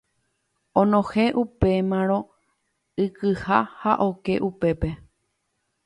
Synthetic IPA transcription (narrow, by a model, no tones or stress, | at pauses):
õnõhẽʔupe̞mãɾ̃õ̞ | ɨkɨha̰haʔo̞ke̞̰ʔupe̞pe̞